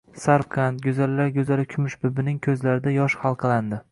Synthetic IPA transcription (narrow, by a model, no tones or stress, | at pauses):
saɾfkʰant̪ɡʲʊzalːaɾɡʲʊzalɪkʲʰʊmɪʃbɪbɪnɪŋkʲʰɵzlaɾɪd̪ajɒʃhɑlˠqʰɨlˠand̪ɪ